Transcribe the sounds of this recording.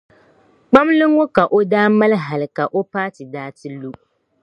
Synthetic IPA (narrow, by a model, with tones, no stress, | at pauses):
k͡pa˦mlɨ˦ŋ˦o˦ka˨ʔo˦daː˦ma˦lɦa˨lka˨ʔo˦paː˦tɪ˨daː˦ti˦lu˦